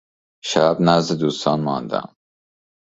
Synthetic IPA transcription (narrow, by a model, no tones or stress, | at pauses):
ʃææbnæzd̪ed̪uːst̪ɒːnmɒnd̪æ̰m